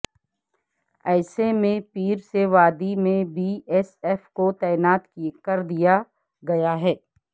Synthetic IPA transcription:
ɛːsemẽpiːɾseʋaːd̪imẽbʱiːɛːsɛfkot̪ɛːɪnaːt̪kikɐɾd̪ija | ɡɐjaɦɛː

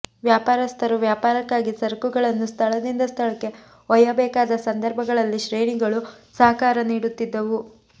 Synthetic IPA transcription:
ʋjaːpaːɾɐst̪ʰɐɾuʋjaːpaːɾɐkːaːɡisɐɾkuɡɐɭɐnːust̪ʰɐɭɐd̪ind̪ɐst̪ʰɐɭɐkːe̞ | ɔjɐbɛːkaːd̪ɐsɐnd̪ɐɾbʱɐɡɐɭɐlːiʃɾeːɳiɡɐɭu | sɐɦɐkaːɾɐniːɽut̪ːid̪ːɐʋu

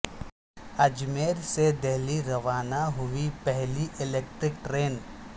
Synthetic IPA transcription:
ɐd͡ʒmeːɾsed̪eɦliɾɐʋaːnaɦʊipɛɦliʔɪleːk̚ʈɾɪk̚ʈɾeːn

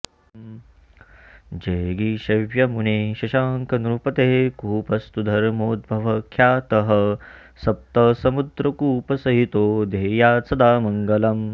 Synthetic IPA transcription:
d͡ʒeːɡiʃɐʋjɐmuneːʃɐʃaːŋkɐnɾupɐt̪eːkuːpɐst̪ud̪ʱɐɾmoːd̪̚bʱɐʋɐkʰjaːt̪ɐɦɐ̆ | sɐp̚t̪ɐsɐmud̪ɾɐkuːpɐsɐɦit̪oːd̪eːjaːt͡sʰɐd̪aːmɐŋɡɐlɐm

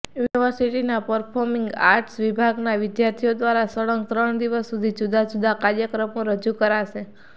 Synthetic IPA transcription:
juniʋəɾsiʈinapəɾpʰɔɾmɪŋɡa̰ɾʈsʋibʱaɡnaʋɪd̪jaɾt̪ʰijod̪ʋaɾasəɽəŋɡ̚t̪ɾəɳd̪iʋəsːud̪ʱid͡ʒud̪ad͡ʒud̪ʱakaɾjəkɾəmuɾəd͡ʒukəɾaʃe

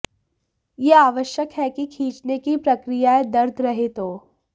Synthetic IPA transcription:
jeaːʋəʃjəkɦɛkikʰĩːt͡ʃnekipɾɐkɾijaed̪ɐɾd̪ʱɾɐɦet̪oː

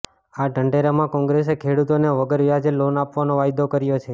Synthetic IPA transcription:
aɖʱəɳɖeɾamãkɔ̃ŋɡɾesekʰeɽut̪oneʋəɡəɾʋjad͡ʒelonapʋanoʋajd̪okəɾjot͡ʃʰe

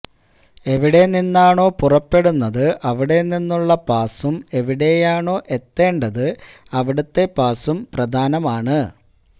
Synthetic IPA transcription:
e̞ʋiɽe̞ninːaːɳo̞ːpurɐpːe̞ɽunːɐðɨʔɐʋiɽe̞ninːuɭːɐpaːsume̞ʋiɽe̞jaːɳo̞ːʔe̞t̪ːe̞ːɳɖɐðɨ | ɐʋiɽut̪ːe̞paːsumprɐd̪ʱaːnɐmaːɳɨ

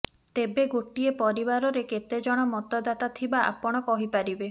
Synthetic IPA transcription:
t̪ebeɡoʈiepɔɾibaɾɔɾeket̪ed͡ʒɔɽ̃ɔmɔt̪ɔd̪at̪at̪ʰibaa̰pɔɽ̃ɔkɔɦipaɾibe

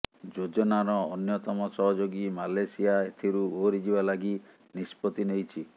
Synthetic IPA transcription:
d͡ʒod͡ʒɔnaɾɔːnjɔt̪ɔmɔsɔɦɔd͡ʒoɡimalesiaet̪ʰiɾuuɦoɾid͡ʒibalaɡi | nispɔt̪inejt͡ʃʰi

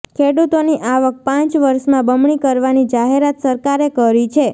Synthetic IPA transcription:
kʰeɽut̪oniʔaʋək̚pãt͡ʃʋəɾʃmãbəmɳikəɾʋanid͡ʒaɦeɾat̪səɾkaɾekəɾit͡ʃʰe

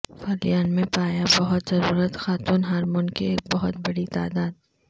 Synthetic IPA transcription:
faːlijaːnmẽpaːjabɐɦʊt̪zɐɾuːɾət̪xaːt̪uːnɦaːɾmʊnkieːk̚bɐɦʊt̪̚bɐɽit̪a̰ːd̪aːd̪̚

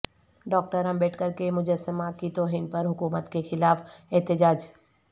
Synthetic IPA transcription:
ɖɔːk̚ʈəɾɐ̃mbeːʈʰkəɾkemʊd͡ʒəsːəmakit̪oːɦiːnpɐɾɦʊkuːmət̪kexɪlaːfɛɦt̪ɪd͡ʒaːd͡ʒ

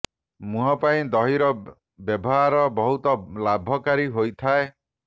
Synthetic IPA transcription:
mũɦɔpaĩd̪ɔɦiɾɔ | bjɔbɔɦaɾɔbɔɦut̪ɔlabʱɔkaɾiɦojt̪ʰae

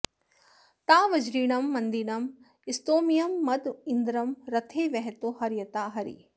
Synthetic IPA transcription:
t̪aːʋɐd͡ʒɾiːnɐmːɐnd̪inɐm | ɪst̪oːmijɐmːɐd̪ɪnd̪ɾɐmɾɐt̪ʰeːʋɛɦɛt̪oːhɐɾjɐt̪aːɦɐɾḭː

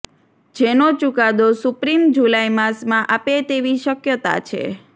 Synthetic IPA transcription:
d͡ʒenot͡ʃukad̪osʊpɾimd͡ʒulajmasmãʔapet̪eʋiʃəkjət̪a̰t͡ʃʰḛ

